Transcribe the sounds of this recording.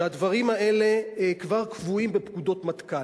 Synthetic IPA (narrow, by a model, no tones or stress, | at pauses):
ad̪vaʁimhaʔe̞le̞kvaʁkvuimbepkud̪o̞t̪mat̪ka